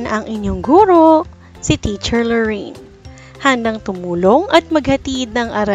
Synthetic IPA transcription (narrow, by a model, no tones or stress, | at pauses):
nʔɐŋʔɪɲjoŋɡuːɾo̞ | sɪt̪it͡ʃɛɹlɛɹin | hɐnd̪ɐŋt̪ʊmuːlo̞ŋɐt̪̚mɐɡ̚hɐt̪id̪̚nɐŋʔɐɾɐ